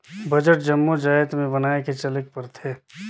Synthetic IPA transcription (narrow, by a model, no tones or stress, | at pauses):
bɐd͡ʒəʈ̚d͡ʒɐmːod͡ʒaːjət̪mẽbɐnaːeket͡ʃɐlɪk̚pɐɾt̪ʰeː